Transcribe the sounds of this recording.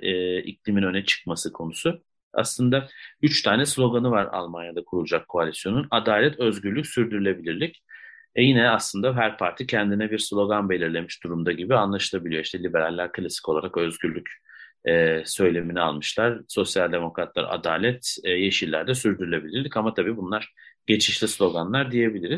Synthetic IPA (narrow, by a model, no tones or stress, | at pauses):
ɛːḭclʲiminø̞nɛt͡ʃʰɯ̥kmasɯkʰo̞nusu | a̰slˠɯnd̪ayt͡ʃt̪ʰaːnɛslʲo̞ɡanɯvaɾa̰lˠmanjad̪akʰuɾulˠud͡ʒakʰːoalʲisjo̞nunad̪aːlʲɛt̪ʰø̞zɟylʲycʲsyɾd̪yɾylʲe̞bilʲiɾlʲic | ɛjinɛaslˠɯnd̪aɦæɾpʰaɾt̪ʰicʰɛnd̪inɛbiɾslʲo̞ɡanbe̞lʲiɾlʲe̞miʃd̪̥uɾumd̪aɟibianlˠaʃɯlˠabilʲijo̞iʃt̪ʰɛlʲibe̞ɾalʲːæɾkʰɯlʲˠasi̥co̞lˠaɾakø̞zɟyɾlʲːyc | ɛːsø̞jlʲe̞minia̰lˠmɯʃlˠaɾ̥so̞sjalʲd̪e̞mo̞kɾat̪lˠa̰ɾa̰d̪a̰ːlʲɛt̪ːje̞ʃilʲæ̰ɾd̪ɛsyɾd̪yɾylʲe̞bilʲiɾlʲicamat̪ʰabiːbunlˠaɾ̥ɟ̥e̞t͡ʃʰiʃlʲislʲo̞ɡanlˠaɾd̪ije̞bilʲiɾiz̥